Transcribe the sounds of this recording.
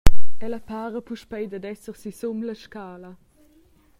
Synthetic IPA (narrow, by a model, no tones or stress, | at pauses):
ɛləpaːʁəpuʃpɛjd̪əd̪ɛsəʁsisumləʃkaːlɐ